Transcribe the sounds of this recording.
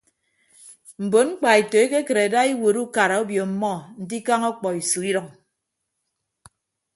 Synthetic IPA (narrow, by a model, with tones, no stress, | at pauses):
m̩˨bo˨nŋ͡m̩˦k͡pa˨e˨to˨e˦ke˦ke˨ɾe˨da˦i˦wo˨ɾu˦ka˨ɾa˨o˦bjo˨m̩˦mɔ˦n̩˨di˦ka˦ŋɔ˦k͡pɔ˨i˨su˨i˦ɾɔ˨ŋ